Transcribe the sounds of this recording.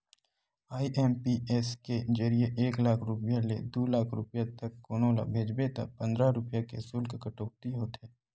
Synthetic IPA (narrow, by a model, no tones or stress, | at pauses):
aːiʔɛːmpiɛːsked͡ʒɐɾijeʔeːklaːkʰɾʊpjalḛd̪oːlaːkʰɾʊpjat̪ɐkːoːnõla̰bʱeːd͡ʒbet̪a̰pɐ̃nd̪ɾaɾʊpjakḛsʊlkkəʈoːk̚t̪iɦoːt̪ɦɛː